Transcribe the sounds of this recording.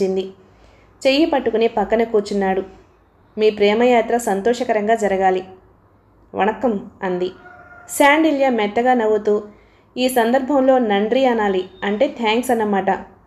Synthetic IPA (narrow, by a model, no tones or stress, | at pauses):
ind̪i | t͡ʃejipɐʈːukunepɐkːɐnɐkuːt͡ʃunːaːɽu | miːpɾɛːmɐjaːt̪ɾɐsɐnt̪ɔːʂɐkɐɾɐŋɡaːd͡ʒɐɾɐɡaːli | ʋɐ̰nɐkɐmɐnd̪isaːɳɖiljamɛt̪ːɐɡaːnɐʋut̪uː | iːsɐnd̪ɐɾbʱɐmlo̞ːnɐɳɖɾiɐnaːliɐɳʈe̞ːt̪ʰjaːŋksɐnːɐmaːʈɐ